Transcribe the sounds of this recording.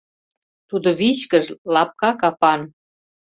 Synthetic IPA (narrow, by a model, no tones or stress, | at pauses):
t̪ud̪oβit͡ɕkəʒlɑp̚kɑkɑpɑn